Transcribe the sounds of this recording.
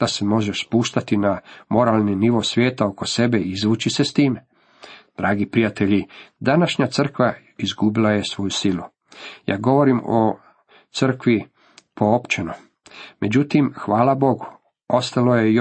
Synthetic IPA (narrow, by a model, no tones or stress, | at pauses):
d̪asemo̞ʒeʃspuːʃt̪at̪inamo̞ɾaːlˠniniʋosʋʲjeːt̪aoko̞se̞be̞izʋuːt͡ʃise̞st̪iːm | d̪̥ɾaːɡipɾijat̪e̞ʎid̪anaʃɲat̪sər̩kʋa | izɡubilˠajesʋo̞ːjusilˠu | ja̰ːɡo̞ʋo̞ɾimo | t̪sr̩kʋi | pʰo̞opt͡ʃeno | mʔe̞d͡ʑut̪imxʋaːlabo̞ɡu | ost̪alojej